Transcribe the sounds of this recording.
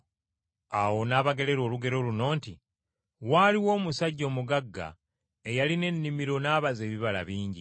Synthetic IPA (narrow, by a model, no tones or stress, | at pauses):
awo̞naːβaɡe̞le̞ɾo̞ːluɡe̞ɾo̞luno̞ːnti | waːliwo̞ːmusaɟːo̞ːmuɡaɡːa̰ | e̞jaline̞nːimiɾo̞naːβaze̞ːβiβala̰βiːɲɟi